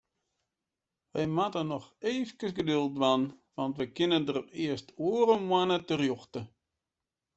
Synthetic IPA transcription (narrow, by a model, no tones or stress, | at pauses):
ʋɛjmatənɔxeːfkəsɡədølˠtʋanʋɑntʋəkɪnəndərɪəstoəɾəmwanətərjoxtə